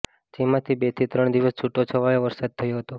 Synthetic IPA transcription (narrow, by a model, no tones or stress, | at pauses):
d͡ʒimãt̪ʰibet̪ʰit̪ɾəɽ̃d̪iʋəst͡ʃʰuʈːot͡ʃʰəʋajõʋəɾsad̪̚t̪ʰːəjũɦət̪o